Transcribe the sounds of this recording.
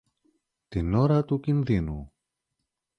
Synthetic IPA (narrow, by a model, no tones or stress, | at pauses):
t̪inoɾɐt̪ucinðinu